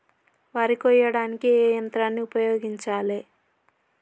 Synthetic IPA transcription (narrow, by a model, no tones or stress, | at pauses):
ʋaːɾikɔjːɐɽaːnikiɛːjɐnt̪ɾaːnːiupɐjoːɡiɲt͡ʃaːle